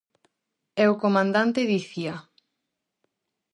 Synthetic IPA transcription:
ɛokomãnd̪ant̪eðiθia

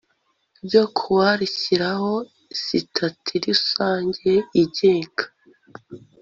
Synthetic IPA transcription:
bjo̞kʰuwaɾiciɾaho̞ | sitʰatʰiɾisaːɲɟeiɟe̞ːŋɡḁ

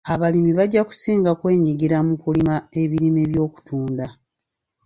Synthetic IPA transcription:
aβalimiβaɟːaku̥siːŋɡakwe̞ːɲiɡiɾamukulimaeβiɾime̞βjo̞ːku̥tʰuːnda

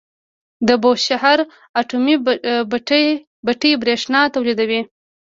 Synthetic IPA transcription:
d̪əboʃahaɾ | aʈumib | baʈəjbɾeʂnɑt̪awlid̪awi

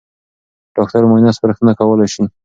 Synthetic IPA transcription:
ɖ̥ɑk̚t̪aɾmanɑspaɾəxt̪ənakawəlajʃin

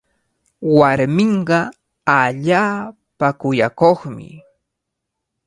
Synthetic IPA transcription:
waɾmɪɴɢɑ | aʎaː | pakʊjakoχmɪ̰

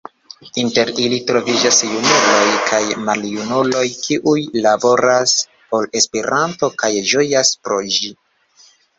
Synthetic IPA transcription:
inte̞ɾilitɾo̞vid͡ʒasjunulo̞jkʰajmaljunulo̞jkiʔujlabo̞ɾas | po̞le̞spe̞ɾanto̞kajʒo̞jaspɾo̞ʒi

